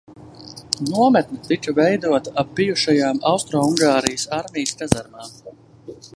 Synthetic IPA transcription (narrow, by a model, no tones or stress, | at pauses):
nuɔmɛt̪̚nʲit̪it͡ʃuvɛjd̪uɔt̪aab̚ːijuʃajaːmawst̪ɾɔːuŋɡaːɾijəsaɾmʲijskazaɾmaː